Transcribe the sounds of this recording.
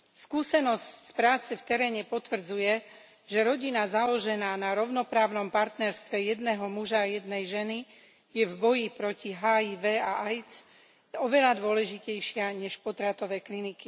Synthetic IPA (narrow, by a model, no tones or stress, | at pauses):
skuːsɛnɔscspɾaːt͡sɛft̪ɛɾɛːɲɛpɔt̪ʋr̩d͡zujɛ | ʒ̥ɛɾɔɟinazalɔʒɛnaːnaɾɔʊnɔpɾaːʊnɔmpaɾt̪nɛɾst̪ʋɛjɛd̪nɛɦɔmuʒaːjɛd̪nɛjʒɛni | jɛvbɔjipɾɔciɦaːiʋɛːaʔajt͡s | ɔʋɛlad̪ʊɔlɛʒicɛjʃɪaɲɛʃpɔt̪ɾat̪ɔʋɛːkliniki